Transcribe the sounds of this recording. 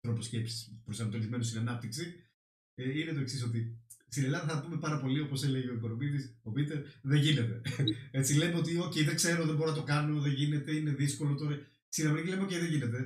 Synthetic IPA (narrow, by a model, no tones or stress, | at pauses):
t̪ɾo̞posce̞psi̥spɾosɐnɐt̪oɾizme̞nost̪inɐnɐp̚t̪iksi | inet̪o̞e̞ksis̬o̞t̪̬ist̪inelɐðɐθɐɐpume̞pɐɾɐpo̞lio̞po̞se̞leʝeiko̞nomit̪isopit̪eɾðeʝinet̪e̞e̞t͡sile̞meot̪̬io̞ceðeŋkse̞ɾo̞ðembo̞ɾonɐt̪o̞kɐno̞ðeʝine̞t̪e̞ine̞ðiskolo̞t̪oɾɐ | sinɐmilemeoceðeʝine̞t̪̬e̞